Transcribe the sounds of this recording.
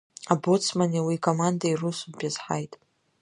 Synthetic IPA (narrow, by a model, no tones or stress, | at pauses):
abot͡sʰmanʲiwikʼomandairusupʲʼjazħa̰jtʼ